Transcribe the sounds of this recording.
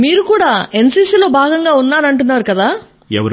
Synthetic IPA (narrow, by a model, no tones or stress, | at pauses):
miːɾukuːɽaːe̞nsiːsiːlo̞ːbʱaːɡɐŋɡaːunːaːnɐɳʈunːaːɾukɐd̪aː | ɛʋɐ